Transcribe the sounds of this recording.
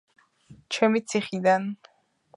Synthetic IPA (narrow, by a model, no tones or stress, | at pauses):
t͡ʃʰɛmit̪sʰiχid̪an